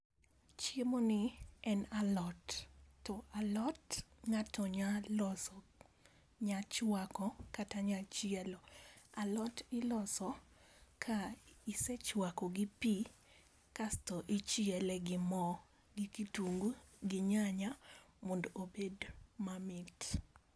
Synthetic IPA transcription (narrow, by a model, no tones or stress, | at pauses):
t͡ʃjemonɪɛnalɔtːɔʔalɔtŋatɔɲalɔsɔ | ɲat͡ʃwakɔkataɲat͡ʃɪɛlɔalɔtɪlɔsɔkʰaisɛt͡ʃwakɔɡɪpi | kastɔʔɪt͡ʃjɛlɛɡɪmɔ | ɡɪkituŋɡɡɪɲaɲamondoobedmamɪt